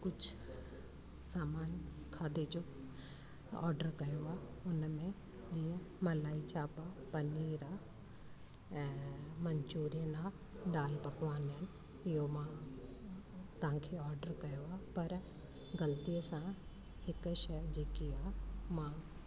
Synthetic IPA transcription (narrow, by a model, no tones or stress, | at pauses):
kʊd͡ʒʰ | saːmaːnkʰaːd̪ed͡ʑoː | ɔ̰ːɾɖəɾkɐjoaː | ʊnmẽ | d͡ʑiə̃mɐlaːit͡ʃaːpapɐniːɾa | mɐɲt͡ʃuːɾienaː | d̪aːlpɐkʋaːnən | ɪjomã | t̪ɐɦãkʰeɔːɾɖəɾkɐjoapɐɾ | ɡɐlt̪ijesã | hɪkʃɛd͡ʑeːkiamã